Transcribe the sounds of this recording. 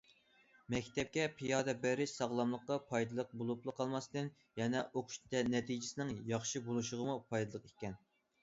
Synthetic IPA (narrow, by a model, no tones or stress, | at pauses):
mɛkʲt̪ʰɛp̚kʲɛpʰijɑːd̪ɛbæɾɪʃsɑʁlˠɑmlˠəqːɑpʰɑjd̪ɨlˠəq̚bolˠuplˠəqʰːɑlˠmɑsd̪ɨn | jɛnɛʔoqʰʊ̥ʃt̪ɛnɛt̪ʰid͡ʒɪsɪnɪŋjɑχʃibolˠuʃʊʁəmupʰɑjd̪ɨlˠəqekʲɛn